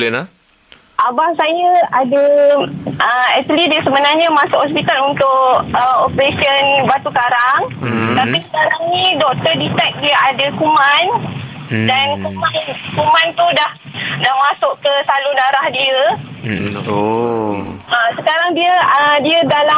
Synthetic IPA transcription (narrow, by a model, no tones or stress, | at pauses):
lɛna | ʔabahsajəadə | ʔəɛt̪əlidiəsəbənarɲamãsʊʔhɔs̬pit̪alunt̪ʊʔəopəɾesiənbat̪ukaɾaŋt̪apisə̥kaɾaŋnĩdɔk̚t̪ərdit̪ɛk̚diəadəkumãn | dankumankumãnt̪udah | dahmasʊʔkəsaludaɾahdiə | əsəkaɾaŋdiəədiədala